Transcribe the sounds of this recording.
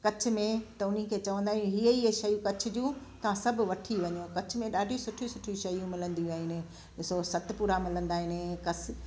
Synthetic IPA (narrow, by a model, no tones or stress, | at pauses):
kɐt͡ɕʰʊ̆mẽt̪ɐʊn̤ikʰeːt͡ɕɐʋə̃nd̪aːɦɪ̃ũɦiiʃɐjũkɐt͡ɕʰʊ̆d͡ʑũːt̪ɐʋ̤ãsɐbʱʋɐʈʰiʋɐɲokɐt͡ɕʰʊmẽɗaːɖʱisʊʈʰisʊʈʰiũʃɐjũmɪlə̃nd̪iaːɦɪnɪ̃ | ɗɪsosɐt̪puːɾamɪlə̃nd̪aːɦɪnɪkɐs